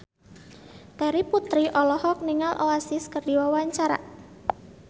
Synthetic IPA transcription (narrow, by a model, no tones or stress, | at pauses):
t̪ɛɾiput̪ɾiʔɔlɔhɔk̚niŋalʔoasɪskərdiwawaɲt͡ʃaɾa̰